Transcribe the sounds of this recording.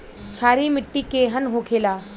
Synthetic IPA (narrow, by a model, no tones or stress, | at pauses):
t͡ʃʰaːɾimɪʈːikeɦənɦokʰeːlaː